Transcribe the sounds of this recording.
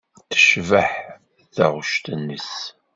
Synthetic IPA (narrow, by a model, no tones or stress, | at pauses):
θə̥ʃvəħ | ðæʁʃt̪ənːəs